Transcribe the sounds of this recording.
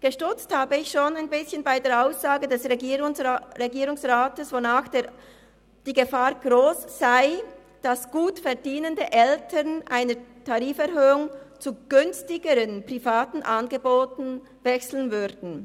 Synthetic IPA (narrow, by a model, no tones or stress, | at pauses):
ɡ̥əʃtʏt͡sthaːbəɪçʃoːnaɪnbɪsçənbaɪdeːɐaʊsz̥aːɡədɛsʁe | ʁeɡiːʁʊŋsʁaːtəsv̥onaːxd̥e | d̥iːɡəfaːʁɡ̥ʁoːsz̥aɪ | d̥asɡ̥uːtfɛɐdiːnəndəʔɛltʰəʁnʔaɪnətʰaʁiːfɛʁhøːʊŋt͡suɡ̥ʏnstɪɡəɾənpʁ̥ifaːtn̩ʔanɡəboːtn̩ | vɛksl̩nvʏʁdn̩